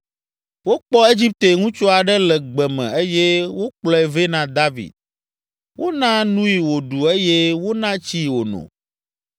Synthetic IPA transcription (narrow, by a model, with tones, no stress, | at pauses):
wo˦k͡pɔ˦e˦d͡ʑi˦p̚t̪e˨ŋũ˦t͡ʃo˦a˨ɖɛ˦lɛ˨ɡ͡bɛ˨mɛ̰̃˨e˦je˦wo˦k͡plɔ˦ɛ˨ve˦nã˦d̪a˦vḭ˨d̪̚ | wo˦nã˦nũ˦i˨wo˨ɖu˨e˦je˦wo˦nã˦t͡ɕi˦wo˨nɔ̰̃˨